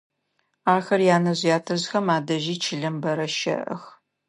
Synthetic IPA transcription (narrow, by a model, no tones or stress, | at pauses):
aːxɐrjaːnɐʑjaːtʰɐzxɐmaːdɐʒiːt͡ʃʰɪɮɐmbɐɾɐʃɐ̰ʔɐ̰x